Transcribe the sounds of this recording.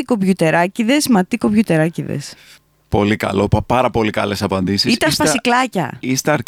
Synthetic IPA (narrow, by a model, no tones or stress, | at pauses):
iko̞pʝut̪e̞ɾɐciðe̞zmɐt̪ikopʝut̪e̞ɾɐciðḛs | po̞likɐ̰lo̞pɐpɐɾɐpo̞likɐle̞sɐpɐnd̪isiist̪ɐsfɐsiklɐcɐ̰ist̪eɐɾ